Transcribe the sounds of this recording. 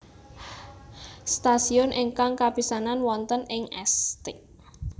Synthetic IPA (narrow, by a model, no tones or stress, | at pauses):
st̪asiɔnʔɪŋkaŋkapisananwɔnt̪ənɪŋɛst̪ɪk